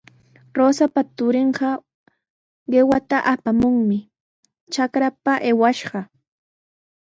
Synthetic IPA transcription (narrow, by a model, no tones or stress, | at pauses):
ɾoːsapat̪ʊɾɪɴɢɑ | ɢewat̪aʔapamʊŋmɪ | t͡ʃakɾapaʔewaʃɢɑ